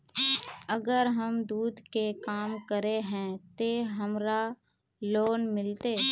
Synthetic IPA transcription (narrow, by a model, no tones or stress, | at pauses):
əɡəɾɦəmd̪uːd̪ʱkekaːmkəɾeɦɛ̃t̪eɦəmɾa | loːnmɪlt̪eː